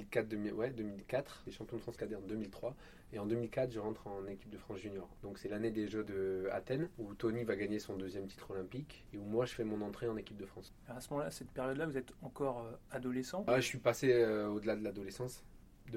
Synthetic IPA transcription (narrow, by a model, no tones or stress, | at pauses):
ilkat̪̚d̪əmiwɛd̪əmilkat̪χd̪eʃɑ̃pjɔ̃d̪əfχɑ̃skad̪eɑ̃d̪ømilt̪χwa | eɑ̃d̪ømilkat̪χʒəʁɑ̃t̪χɑ̃nekʲip̚d̪əfχɑ̃sʒynjɔʁd̪ɔ̃ksɛlaned̪eʒød̪əa̰t̪ɛnut̪ɔnivaɡaɲesɔ̃d̪øzjɛmt̪i̥t̪χɔlɛ̃pik | eumwaʒəfɛmɔ̃nɑ̃t̪χeɑ̃nekʲip̚d̪əfχɑ̃s | ɔʁasəmɔmɑ̃lasɛt̪̚pɛʁjɔd̪lavuzɛt̪ɑ̃kɔʁøad̪ɔlesɑ̃aʒəsɥipaseøod̪əlad̪əlad̪ɔlesɑ̃s | d̪ə